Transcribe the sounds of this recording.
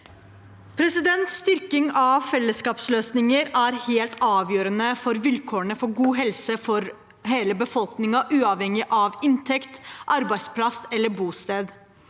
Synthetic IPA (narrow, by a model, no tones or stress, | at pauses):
pʰɾɛsɪd̪ɛnt̪sst̪ʏɾkɪŋɑʋfɛlːəskɑːpsløːsnɪŋəɾæɾheːlt̪ɑːʋjøːɾənəfɔɾʋɪlkʰoːəɳəfɔɾɡuːɦɛlsəfɔɾ | ɦeːləbəfɔlknɪŋɑʔʉːɑːʋhɛŋɪʔɑʋɪnt̪ʰɛkt̪ʔɑɾbæɪspʰlɑsɛlːəɾbuːst̪eːd̪